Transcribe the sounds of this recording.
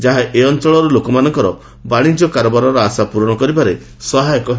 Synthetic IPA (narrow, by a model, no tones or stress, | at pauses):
d͡ʒaɦaʔeɔnt͡ʃɔɭɔɾɔlokɔmanɔŋkɔɾɔ | baɽ̃id͡ʒɔkaɾɔbaɾɔɾɔasapuɾɔɽ̃ɔkɔɾibaɾe | sɔɦajɔkɔɦ